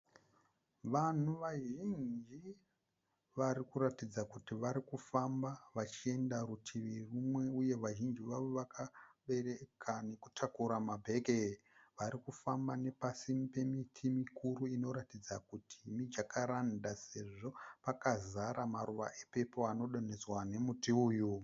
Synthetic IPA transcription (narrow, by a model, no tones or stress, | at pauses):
ʋan̤uʋaʒind͡ʒi | ʋaɾikuɾatid͡zakutiʋaɾikufambaʋat͡ʃie̞ndarutʰiʋirumwe̞uje̞ʋaʒind͡ʒiʋaʋoʋakʰaɓe̞rekʰane̞ku̥tʰakuɾamabʱe̞ɡʱe | ʋaɾikufambane̞pasimpe̞mitʰimikʰuɾuino̞ɾatid͡zakutʰimid͡ʒakaɾandase̞ʐo̞pakazaɾamaɾuʋa̰ʔepe̞po̞ano̞ɗo̞ne̞d͡zwane̞mutiuːju